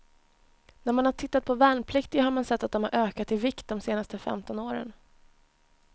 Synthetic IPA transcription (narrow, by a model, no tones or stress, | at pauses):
næɾmanhaʈʰɪt̪ːat̪̚pʰɔvɛːnpʰlɪkt̪ɪɦaɾmansɛt̪ːat̪̚d̪ɔmha̰ɾʔøːkat̪ɪvɪkt̪̚d̪ɔmseːnast̪əfɛ̰mt̪ɔnoːɾə̰n